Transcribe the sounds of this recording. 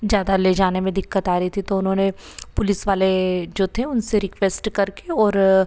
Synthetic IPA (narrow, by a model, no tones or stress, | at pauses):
zjaːd̪aleːd͡ʒaːnemẽd̪ɪkːət̪aːɾəɦit̪ʰit̪oʊnɦõːne | pʊlɪsʋaːled͡ʒoːt̪ʰeʊnseɾɪkʋeːsʈkɐɾkeɔːɾ